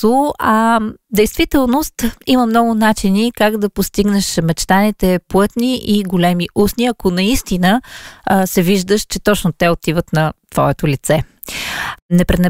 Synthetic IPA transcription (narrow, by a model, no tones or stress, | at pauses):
oɐd̪ɛjst̪vit̪ɛlˠnost̪iməmnɔɡʊnat͡ʃinikaɡd̪ɐpost̪iɡnɛʃmɛt͡ʃt̪anit̪ɛplˠɤt̪niʔiɡolɛmiʔusniɐkonɐist̪inə | sɛviʒd̪əʃt͡ʃɛt̪ɔt͡ʃnot̪ɛot̪ivət̪nɐt̪v̥ɔ̰ɛt̪olit̪sɛ | nɛpɾɛnɛ